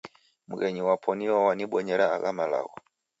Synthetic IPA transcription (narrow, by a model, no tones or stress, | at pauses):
muɣɛɲiwapʰɔniɔwaniɓɔɲɛɾaːɣamala̰ɣɔ